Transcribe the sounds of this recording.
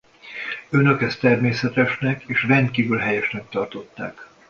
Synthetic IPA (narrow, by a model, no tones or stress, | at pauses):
ø̞nø̞kɛst̪ɛrmeːsɛt̪ɛʃnɛkeːʃrɛnd̪kiːvylɦɛjɛʃnɛk̚t̪ɒrt̪o̞t̪ːa̰ːk